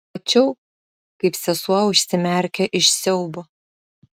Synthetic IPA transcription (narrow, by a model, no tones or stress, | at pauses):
ɐt͡ʃʲɛʊ | kɐɪpsʲɛsuɐʊʃʲsʲɪmʲɛɾʲkʲɛʔɪʃsʲɛʊbo